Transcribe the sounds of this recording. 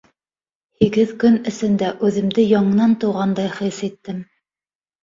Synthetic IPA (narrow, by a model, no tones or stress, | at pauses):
hiɡɘðkɵnɘ̆sɘ̆nd̪æʔʉðɘ̆md̪ɘjɑɴɤ̆nɑnt̪ɤ̆wʁɑnd̪ɑjχisit̪ːɘm